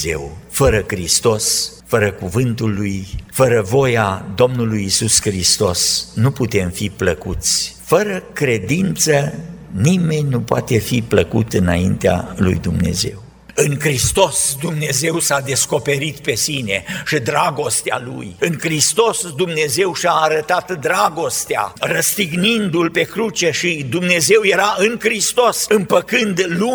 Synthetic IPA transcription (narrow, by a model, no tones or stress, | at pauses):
ze̞̰wfəɾəkɾist̪o̞s | fəɾəkuvɨnt̪ulːujfəɾəvo̞jad̪o̞mnulujisuskɾist̪o̞snuput̪e̞mfipləkut̪sʲ | fəɾəkɾe̞d̪int̪sənime̞ɲʲnupoat̪e̞fipləkṵt̪ɨna̰int̪ea̰lṵjd̪umne̞̰ze̞̰w | ɨŋkɾist̪o̞sd̪umne̞ze̞wsad̪e̞sko̞pe̞ɾit̪pe̞sine̞ʃid̪ɾaɡo̞st̪ea̰lṵjɨŋkɾist̪o̞sd̪umne̞ze̞wʃiaːɾət̪at̪d̪ɾaɡo̞st̪ea̰rəst̪iɡnind̪ulpe̞kɾut͡ʃeʃid̪umne̞ze̞wje̞ɾaɨŋkɾist̪o̞sɨmpəkɨnd̪lu